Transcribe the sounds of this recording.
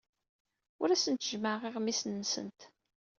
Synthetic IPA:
ʊɾæsənt̪ʒməʁiʁmisnːsə̰nt̪

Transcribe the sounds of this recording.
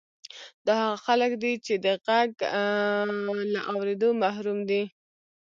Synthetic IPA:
d̪ɑhaɣaxaləkd̪it͡ʃed̪əɣaɡ | laʔawɾed̪omaɦɾumd̪i

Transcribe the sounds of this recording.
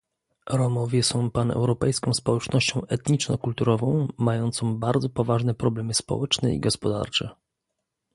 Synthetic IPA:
ɾɔmɔvʲjɛsɔ̃w̃panɛ̰wɾɔpɛjskɔ̃w̃spɔwɛt͡ʂnɔɕt͡ɕɔ̃w̃ʔɛt̪ɲit͡ʂnɔkult̪uɾɔvɔ̃w̃majɔnt̪sɔ̃w̃baɾd̪zɔpɔvaʐnɛpɾɔblɛmɘspɔ̰wɛt͡ʂnɛ̰ḭɡɔspɔd̪a̰ɾt͡ʂɛ̰

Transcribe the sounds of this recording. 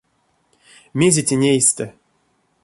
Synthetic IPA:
mʲezʲetʲenʲejst̪ə

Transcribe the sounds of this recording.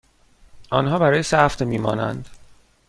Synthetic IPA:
ʔɒːnɦɒːbæɾɒːjesæft̪miːmɒ̰ːnæ̰nd̪

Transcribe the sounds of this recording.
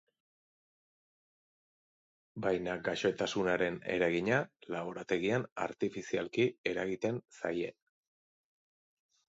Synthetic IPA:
bajnaɡaʃo̞et̪asunaɾe̞ne̞̰ɾaɣiɲalaβo̞ɾat̪e̞ɣiana̰ɾt̪ifisialkie̞ɾaɣit̪e̞nsa̰je̞n

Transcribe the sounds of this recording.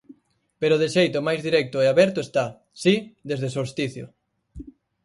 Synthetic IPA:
peɾʊðeʃejt̪ʊmajzðiɾɛk̚t̪ʊeaβɛɾt̪ʊest̪a | sid̪ezðesost̪iθjʊ̰

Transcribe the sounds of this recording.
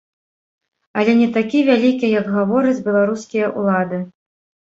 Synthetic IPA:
ɐlʲɛnʲɛt̪akʲivʲalʲikʲijɐɡɣavɔɾɨt͡sʲbʲɛlˠaɾuskʲijɐʔṵlˠad̪ɨ

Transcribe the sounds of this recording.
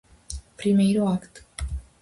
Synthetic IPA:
pɾimejɾuakt̪

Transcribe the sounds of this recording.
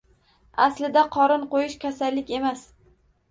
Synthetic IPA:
aslɪd̪aqʰɒɾɪnqojɪʃkʲʰasalːɪkʲe̞mas

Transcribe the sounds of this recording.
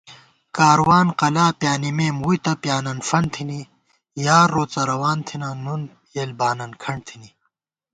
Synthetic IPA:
kaːɾwaːnqɐlaːpjaːnimeːmwujt̪ɐpjaːnɐnfɐɳt̪ʰini | jaːɾːoːt͡sɐɾɐwaːnt̪ʰinanun | eːlbaːnɐnkʰɐɳɖt̪ʰini

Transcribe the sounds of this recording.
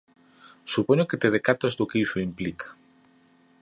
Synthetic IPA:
supoɲoket̪eðekat̪azd̪okeisuimplik

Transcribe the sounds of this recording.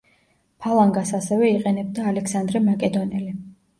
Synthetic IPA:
pʰalˠaŋɡasasɛvɛiqʼɛnɛb̚d̪aːlɛksand̪ɾɛmakʼɛd̪ɔnɛli

